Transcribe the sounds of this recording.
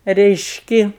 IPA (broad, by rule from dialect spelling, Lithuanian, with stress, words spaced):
rʲɛɪʃʲˈkʲɪ